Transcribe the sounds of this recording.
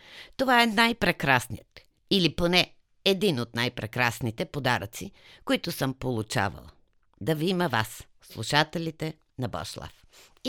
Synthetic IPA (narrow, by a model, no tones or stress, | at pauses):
t̪ovaɛnajpɾɛkɾasnijət̪ | iliponɛ | ɛd̪inot̪najpɾɛkɾasnit̪ɛpod̪aɾət̪si | koit̪ʊsəmpolˠut͡ʃa̰və̰lˠ | d̪ɐviiməva̰s | slˠuʃat̪ɛlit̪ɛ | nɐbɔ̰ʃlˠa̰f